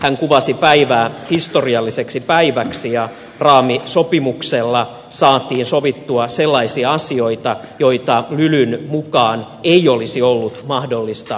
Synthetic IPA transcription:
hæŋkuʋɑsipæiʋæːhist̪oriɑlːiseksipæiʋæksijɑ | rɑːmisopimukselːɑ | sɑːt̪iːnsoʋit̪ːuɑselːɑisiɑɑsio̞it̪ɑ | joit̪ɑlylynmukɑːn | eiolisiolːut̪mɑhdolːist̪ɑ

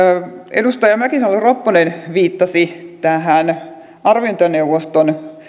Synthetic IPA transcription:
ḛdust̪ɑjɑmækisɑnoleropːonenʋiːt̪ːɑsit̪æɦæn | ɑrʋint̪ɑneuʋost̪on

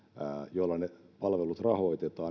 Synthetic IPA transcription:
jolːɑne | pɑlʋelut̪rɑhoit̪et̪ɑː

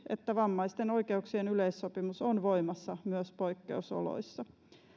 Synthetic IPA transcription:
et̪ːæʋɑmːɑist̪eno̞jke̞uksienylejsːo̞pimusonʋo̞jmɑsːɑmyøspo̞jkːe̞̰uso̰lo̰isːɑ

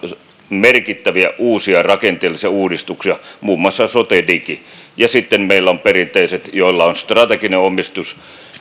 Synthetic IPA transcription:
merkit̪ːæʋiæʔuːsiɑrɑkent̪ˑeːlːˑisiɑuːdist̪uksiɑmuːmːˑɑsːɑsot̪edikijɑsit̪ːemmeilːæomperint̪ˑeiset̪jolːɑonst̪rɑt̪ekineomˑist̪us

